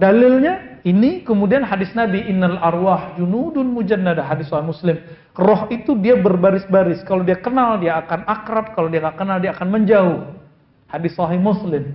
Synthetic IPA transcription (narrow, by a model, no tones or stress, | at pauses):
dalɪlɲainikəmudianɦadɪsnabiʔɪnːalʔarwahd͡ʒunudʊnmud͡ʒanːadaɦadɪssɔhɪmuslɪm | rɔɦit̪udiabərbaɾɪsbaɾɪskaladiakənaldiaːkanʔakɾap̚kalodiaŋakənaldiaːkanməɲd͡ʒaʊh | hadɪsɔɦɪhmʊslɪm